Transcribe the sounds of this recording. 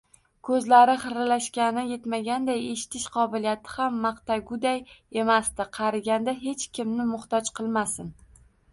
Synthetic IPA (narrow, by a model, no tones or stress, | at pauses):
kʰɵzlaɾɪχɨɾlaʃkʲanɪje̞t̪maɡʲand̪aje̞ʃɪ̥t̪ʰɪʃqʰɒbɪlijat̪ʰɪ̥hamːɑqt̪aɡʊd̪aje̞mast̪ɪqʰɑɾaɡʲand̪aɦe̞t͡ʃkʲʰɪmnɪmʊχt̪ɒt͡ʃqʰɨlˠmasɪn